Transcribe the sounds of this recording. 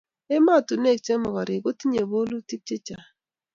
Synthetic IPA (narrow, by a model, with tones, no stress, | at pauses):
e˦ma˦˨tu˨ne˦˨k̚t͡ʃe˦mɔ˨ɣɔ˨ɾɪ˨ɡo˦ti˦ɲe˨bo˦lu˦ti˦k̚t͡ʃe˦t͡ʃa˨